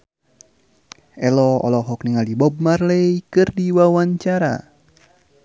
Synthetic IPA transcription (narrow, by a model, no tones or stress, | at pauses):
ɛlɔɔ̰lɔɦɔk̚niŋalibɔb̚marleikɨrdiwawaɲt͡ʃaɾa̰